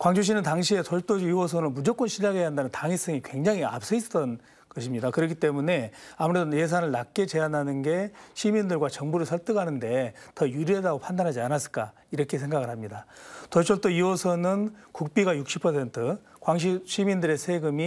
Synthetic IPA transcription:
kwaŋd͡ʑuɕ̬ʰinɯntaŋɕʰie̞soɭt͈od͡ʑiwʌs̬ʰʌnɯnmud͡ʑʌk͈wʌnɕʰiʎːaɡɦejɦandanɯntaŋis͈ʌŋikwe̞ŋd͡ʑaŋia̰p̚s͈ʰɯist͈ʌn | kʌɕʰimɲidakɯɾʌkʰit͈e̞mune̞amuɾedoje̞s̬ʰanɯɭnak͈e̞t͡ɕe̞ananɯnɡe̞ɕʰimindɯɭɡwat͡ɕʌŋbuɾɯɭsʰʌɭt͈ɯɡanɯnde̞tʌjuɾiɦadaɡopʰandanɦad͡ʑianas͈ɯɭk͈a | iɾʌkʰe̞s̬ʰe̞ŋɡaɣɯɭɦhamɲidatoɭt͡ɕʰoɭt͈oiwʌsʰʌnɯnkuk̚p͈iɡajuk̚ɕ͈ʰi̥pʰʌsʰe̞ntʰɯkwaŋɕ̬ʰiɕʰimindɯɾe̞sʰe̞ɡɯmi

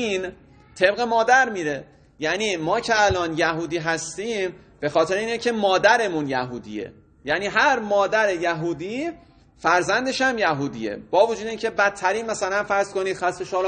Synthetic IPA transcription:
in | t̪ʰe̞bɣe̞mɒːd̪æɾmiːɾe̞ | jæniːmɒːcʰe̞ælɒːnjæɦuːd̪iːɦæst̪iːm | b̥e̞xɒːt̪ʰe̞ɾeiːnecʰe̞mɒːd̪æɾe̞munjæɦṵːd̪ḭːe̞̰ | jæniːɦæɾmɒːd̪æɾe̞jæɦuːd̪iː | fæɾzænd̪e̞ʃæmjæɦuːd̪iḛb̥ɒːvod͡ʒuːd̪eiːncʲʰe̞bæt̪ʰːæɾiːnmæsælænfæɾz̥ko̞niːd̪xæst̪eʃɒːl

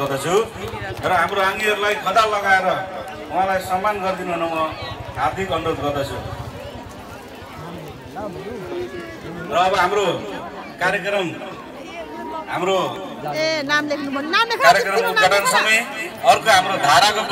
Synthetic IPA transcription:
ʌd̪ʌt͡sʰu | rʌɦamroãŋɡiɦʌɾulajkʰʌd̪alʌɡaeɾʌ | uãlajsʌmːanɡʌrd̪inonʌwnʌard̪ʱikʌnɾod̪ɡʌrd̪ʌt͡sʰu | rʌːbʌɦamɾo | kaɾjekrʌm | ɦamɾo | namd̪ekʰnukaɾjekrʌmkoʌʈansʌmʌjʌrkoɦamɾod̪ʱaɾako

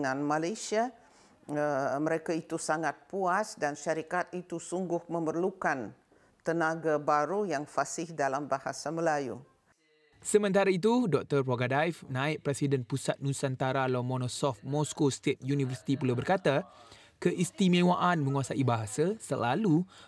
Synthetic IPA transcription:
ŋãnmalajsia | əməɾekait̪usaŋat̪̚puasdanʃaɾikat̪it̪usuŋɡʊhməmərlukan | t̪ənaɡabaɾujaŋfasɪhdalambahasaməlajṵ | səmə̃nt̪aɾait̪̬udɔk̚t̪ərːoɡadajfnãɪʔ̚pɾɛsidənpusat̪̚nũsant̪aɾalɔmɔ̃nɔsɔft̪̚mɔskost̪et̪̚junivərsi̥t̪ipulabərkat̪a | kəʔist̪imẽwaʔanmə̃ŋuasaibaɦasasə̰la̰lu

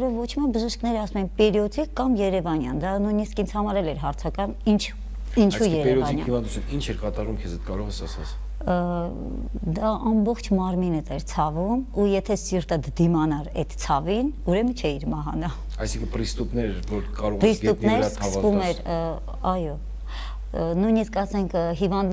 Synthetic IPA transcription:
ɾɔvːɔt͡ʃʰmiɑbəʒiʃknɛɾəɑsumɛnpɛɾjɔt͡sikːɑmjɛɾɛvɑnjɑ̰nd̪ɑnujniskint͡sʰhɑmɑɾɛlɛɾɦɑɾt͡sʰɑkɑjmint͡ʃʰ | int͡ʃsʰuijɛɾɛɛɾɔvɑnijɑhivɑnd̪ut͡sʰjunint͡ʃʰɛɾkɑt̪ɑɾvumkʰɛzɛt̪kɑɾɔʁɛsɑsɑt͡s | d̪ɑʔɑmbɔχt͡ʃʰmɑɾminət̪ɛɾt͡sʰɑvumujɛt̪ʰɛsiɾt̪əd̪d̪imɑnɑɾɛ̰t̪t͡sʰɑvinuɾɛmət͡ʃʰɛiɾmɑɦɑnɑ | ɑjsiŋkʰənpɾist̪upnɛɾvɔɾkɑɾɔʁpɾisɡ̪up̪nɛɾsəskummɛɾ | ɑjɔ | nujniskɑsɛŋkʰɦivɑnd̪

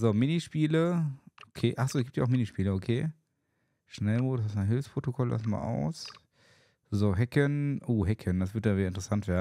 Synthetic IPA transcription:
zoːmɪniʃpiːləokʰeːʔaχsoːɪsɡ̥iːp̚tjaʊxminiʃpiːləokʰeː | ʃnɛlmoːdsɪsanɦɪlfspʁ̥otokʰɔlʔɛ̰sma̰ʔa̰ʊs | zoɦɛkənʔoːɦɛkʰəndas̬v̥ɪɐtdaːiːdɐɪntəʁəsantv̥eːɐn

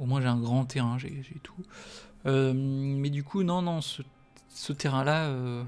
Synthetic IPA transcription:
omwɛ̃ʒeɛ̃ɡʁɑ̃t̪ʰeʁɛ̃ʒeʒet̪ʰu̥ | ømmɛd̪ykʰunɔ̃nɔ̃sə | sət̪eʁɛ̃laø

